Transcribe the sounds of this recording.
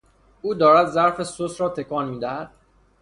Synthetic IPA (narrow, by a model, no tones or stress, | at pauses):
uːd̪ɒːɾæd̪zæɾfe̞sosɾɒːt̪ʰe̞kʰɒːnmiːd̪æhæd̪̥̚